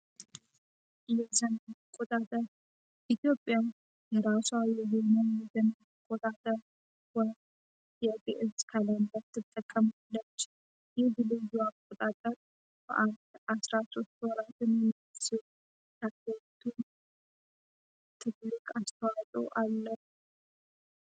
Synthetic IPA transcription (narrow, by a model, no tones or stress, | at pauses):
jɛzənəkʼot̪ʼat̪ʼəɾ | ʔit̪jo̞pʼːja | jɛɾaswawjɛɦonəwjɛzəna | əkʼːot̪ʼat̪ʼəɾ | wɔ | jpʼːḛʔɨzkʰaland̪at̪ʰːɨt̪ʼːəkʼːəmalːət͡ʃː | jɪhbɨlɨjuakʼːot̪ʼat̪ʼəɾ | b̥ə̰ʔand̪ʔasɾaso̞st̪wɔɾat̪ɨnjɛmisɨ | t̪ʰakːət̪ʰun | t̪ʰɨllːɨkʼast̪ʰəwat̪ʼo̰ʔalːəh